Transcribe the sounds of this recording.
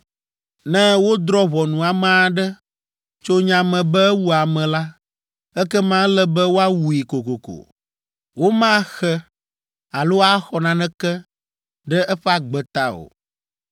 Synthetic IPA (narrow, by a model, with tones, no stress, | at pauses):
nɛ̃˦wo˦d̪ɾɔ˦βɔ˨nũ˨a˨mã˦˨ɖɛ˦ | t͡ʃo˦ɲã˨mɛ̃˨bɛ˦ɛ˦wu˦a˨mɛ̃˨la˦ | ɛ˦kɛ˦mã˦lɛ˦bɛ˦wo˦a˦wu˨ji˨ko˨ko˨ko̰˨ | wo˦mã˦xɛ˦ | a˨lo˦a˦xɔ˨nã˨nɛ̃˦kɛ˦ | ɖɛ˦ʔɛ˦ɸɛ˦a˦ɡ͡bɛ˨t̪a˦o̰˨